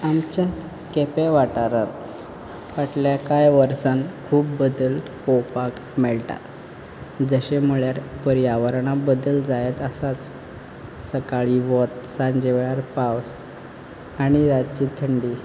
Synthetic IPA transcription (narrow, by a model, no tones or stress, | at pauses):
amt͡ɕa | kɛpeʋaʈaɾaɾ | ʋaʈljakajʋəɾsãnkʰuːpːəd̪əlkɔwpakmɛɭʈa̰ | d͡zəɕem̤əɭjaɾpəɾiaʋəɾɳabəd̪əld͡zajet̪əsat͡s | səkaɭiʋɔt̪sãɲd͡ʑeʋɭjaɾpaws | aɽ̃iɾat͡ɕit̪ʰəɳɖi